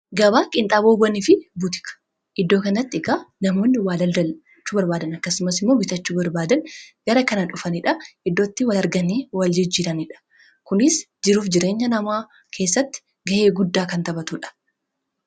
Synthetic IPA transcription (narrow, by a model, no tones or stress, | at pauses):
ɡɐbaːkʼɪnt̪ʼaːboːbɐnɪfɪbʊt̪ɪ̥kɐ̥ | ʔɪd̪ːo̞ːkɐnɐt̪ːɪɪkanɐmo̞ːnːɪwaːlɐld̪ɐ | t͡ʃːuːbɐɾbaːd̪ɐnɐkːɐsʊmɐsɪmːo̞ːbɪt̪ɐt͡ʃːuːbɐɾbaːd̪ɐnɡ̥ɐɾɐkɐnɐᶑʊfɐnɪᶑɐɪd̪ːot̪ːɪwɐlɐɾɡɐniːwɐld͡ʒɪd͡ʒːiːɾɐnɪᶑɐ̥ | kʊnɪs | d͡ʒɪɾuːfd͡ʒɪɾe̞ːɲːɐnɐmaː | kʰe̞ːsːɐt̪ːɪ̥ | ɡɐʔe̞ːɡʊd̪ːaːkɐnt̪ɐbɐt̪uːᶑɐ̥